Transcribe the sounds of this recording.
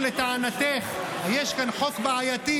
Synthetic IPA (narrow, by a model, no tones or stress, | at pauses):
let̪aʕanat̪eχ | hajeʃkanħokbaʕajat̪i